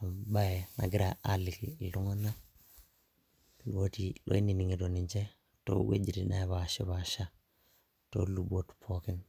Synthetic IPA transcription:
a˨mba˦je˨na̰˨ɡi˦ɾaa˨li˨kilu˦ŋa˦na˦ | luwo˦tilʔo̰˦i˦ni˨ni˨ŋi˨do˨niɲd͡ʒe˦ | to̰˦wḛ˦d͡ʒi˨ɾḭ˨na̰˦˨βa˨ʃi˦βaʃa˦ | to̰˦lubo˦tpʰo˦ki˦n

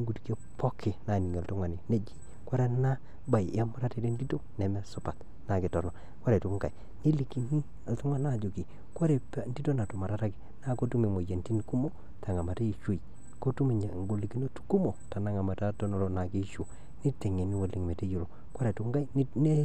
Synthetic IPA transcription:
ŋɡu˨tki˦o˦pɔ˦kɪ˨na˨ni˨ŋ˨a˨ltu˦ŋa˨ni˨ne˦d͡ʒi˦ | kwa˦ɾe˦na˦ | ba˨ja˦mu˦ɾa˦te˨de˦n˦di˦to˦nɛ˨mɛ˦su˨pa˨t | na˨ki˨tɔ˨no˨ | kwa˦ɾe˨tu˦ɡa˨j | ni˦li˨ki˨ni˦ | a˨ltu˦ŋa˦na˦˨d͡ʒo˨ki˨ | kwo˦ɾe˨pndi˦to˦na˨tu˨ma˨ɾa˦ta˦ki˨na˦ko˦tu˦me˨mo˨je˨nti˦ni˨ku˦mo˦ | ta˨ŋa˨ma˨ta˦i˨ʃo˦i˨ | ko˦tu˦mi˨ɲa˨ŋ˦ɡo˨li˨ki˦no˦tu̥˦ku˦mo˨ta˨na˦ŋa˨ma˨ta˦to˦no˨lo˦na˨ki˦ʃu˨ | ni˦te˨ŋe˨ni˦wo˨li˨ŋme˨te˦ju˨lo˨ | kwa˦ɾe˨tu˦ŋɡa˦i˦ne˦

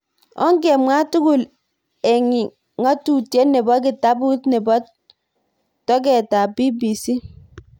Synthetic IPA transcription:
ɔ̰˦ŋɡɛ˨mwa˦tʊ˦kʊ˨l | ɛ˨ŋi˨ | ŋa˦tu˨tje˦nɛ˨bɔ˦k̬ɪ˨ta˦bu˦tnɛ˨bɔ˦ | tɔ˦k̬ɛ˨ta˨bi˦bi˨si˦

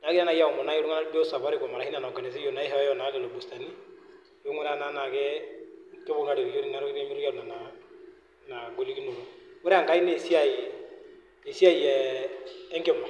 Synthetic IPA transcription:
na˨ɡi˦a˦na˨ja˦˨u˨mɔ˨na˦u˦ŋa˦na˦bɔ˦sa˨ba˦ɾi˦˨kɔ˨ma˨ɾa˨hi˦na˨na˨ka˨nɪ˨s̬i˦jɔ˨na˨i˦ɦɛ˨ɛ˦jɔ˦˨na˨˦lɛ˨lɔ˨bu˨sta˨ni˦ | jo˦ŋʊ˦ɾa˦na˦na˨kɛ˦ | kɛ˦bɔ˨ŋɡa˨˦ɾi˨jo˦ɾi˦na˨ɾɡɾɛ˦mi˦ɾu˦ja˦ɾu˨na˨na˨ | na˨ɡo˨li˦ɡi˦nu˨lɔ˨ŋʊ˦ɾɛ˦a˨ŋka˦i˦ne˦˨si˦a˦i | e˨si˦a˦i˨jɛ˨ | ɛ˦ŋɡɛ˨ma˨

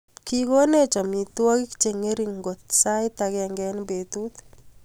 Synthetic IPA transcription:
kiko˦ne˦t͡ʃɔ˨mi˨t̪wɔ˦ki˦ki̥t͡ʃe˨ŋe˦ɾiŋɡo˨t̪sa˦jt̪akɛŋɡɛnbe˨t̪ut̪

